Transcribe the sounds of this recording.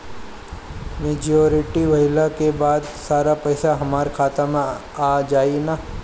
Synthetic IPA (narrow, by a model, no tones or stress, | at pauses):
meːd͡ʒoːɾɪʈiʋɐɪlakebaːd̪saːɾapɐɪsaɦɐmaːɾkʰaːt̪amã | aːd͡ʒaːina